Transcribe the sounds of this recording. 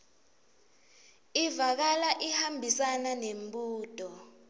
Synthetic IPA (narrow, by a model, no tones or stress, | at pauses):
ivak̬alaʔihambʱisananembuːtʼɔ